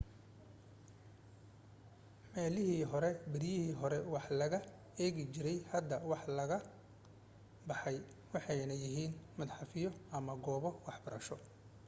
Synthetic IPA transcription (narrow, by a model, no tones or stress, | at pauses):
mɛːlɪɦiːɦɔɾɛbɪɾɪjɪhiːɦɔɾɛwɑħlɐɣɐ | ɛːɣɪt͡ʃɪɾɛjhɐd̪ːɐwɑħlɐɣɐ | bɑħɑj | wɑħɑjnɐjɪɦiːnmɐd̪ħɑfɪjɔʔɐmɐɡɔːβɔwɑħbɐɾɐ̰ʃɔ